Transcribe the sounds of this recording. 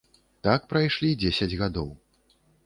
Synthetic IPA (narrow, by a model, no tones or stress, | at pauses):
t̪ak̚pɾajʂlʲid͡zʲesʲɐd͡zʲɣad̪ɔw